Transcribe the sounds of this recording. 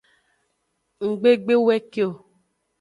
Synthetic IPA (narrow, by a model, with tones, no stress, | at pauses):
ŋ̩˨ɡ͡be˦ɡ͡be˦wɛ˦ke˦o˨